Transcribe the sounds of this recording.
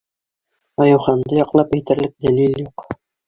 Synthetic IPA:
ɑjŭwχɑnd̪ɤjɑqlˠɑpæjt̪ɘ̆ɾlɘk̚d̪æliljuq

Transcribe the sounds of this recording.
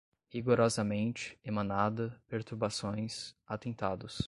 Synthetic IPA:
hiɡoɾɔzɐmẽnt͡ʃɪ̥emɐ̃nad̪ɐpeɾt̪uɾbasõj̃sat̪ẽnt̪ad̪ʊs

